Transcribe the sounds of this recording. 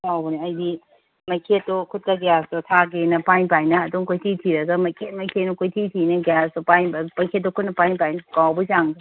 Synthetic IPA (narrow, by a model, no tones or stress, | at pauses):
tʰawbɐniɐjdi | mɐkʰetːokʰut̚kɐɡejastotʰaɡenɐpanpajnɐːdoŋkʰojtʰitʰiɾɐɡɐmɐkʰet̚mɐkʰenokʰojtʰitʰinɐɡejastopajbpɐjkʰet̚ːokʰut̚nɐpajnpajnɐkawbɐsaŋdi